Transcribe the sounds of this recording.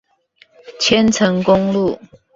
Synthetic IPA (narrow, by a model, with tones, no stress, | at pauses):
t͡ɕʰjɛ˥˦nt͡sʰə˧˦ŋkʊ˦˥ŋlu˥˨